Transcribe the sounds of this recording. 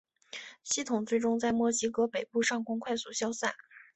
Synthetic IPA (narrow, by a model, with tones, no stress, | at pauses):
ɕi˥˧˩t̪ʰʊ˨˩ŋt͡swe˥˩ɪʈ͡ʂʊ˥ŋt͡sa˥˧ɪmwɔ˥t͡ɕi˧˥kɤ˧˥pe˨˩ɪpu˥˧ʂɑ˥˩ŋkʊ˥ŋkʰwa˥˩ɪsu˨˩ɕjɑ˥ʊsa˥˩n